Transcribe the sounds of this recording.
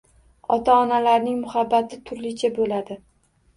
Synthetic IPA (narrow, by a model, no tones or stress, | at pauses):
ɒt̪ʰaɒnalaɾnɪŋmʊhabːat̪ʰɪt̪ʰʊɾlɪt͡ʃʰabolad̪ɪ